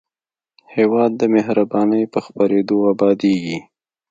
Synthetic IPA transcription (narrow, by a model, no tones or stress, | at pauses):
hewɑd̪̚ːəmɪɦɾabɑnəjpəxpaɾed̪oabɑd̪eɡi